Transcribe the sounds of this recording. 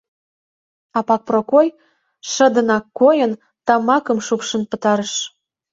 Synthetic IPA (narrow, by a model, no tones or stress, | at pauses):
ɑpɑk̚prokoj | ʃə̆d̪ə̆nɑkːojən | t̪ɑmɑkə̆mʃupʃə̆npə̆t̪ɑɾəʃ